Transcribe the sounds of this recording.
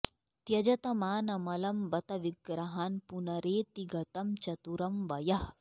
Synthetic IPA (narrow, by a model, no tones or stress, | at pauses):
t̪jɐd͡ʒɐt̪ɐmaːnɐmɐlɐmbɐt̪ɐʋiɡɾɐɦaːnpunɐɾeːt̪iɡɐt̪ɐmt͡ʃɐt̪uɾɐmʋɐjɐh